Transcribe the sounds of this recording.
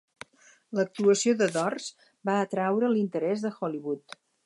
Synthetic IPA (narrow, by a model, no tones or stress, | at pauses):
lək̚t̪uəsioðəðɔrz | baət̪ɾawɾəlint̪əɾɛzðəxɔliβut̪